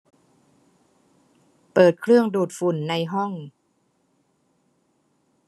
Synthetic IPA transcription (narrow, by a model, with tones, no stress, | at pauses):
pɤː˨˩t̪̚kʰlɯ˥˩əŋduː˨˩t̪̚fu˨˩nːa˧jɦɔ˥˩ŋ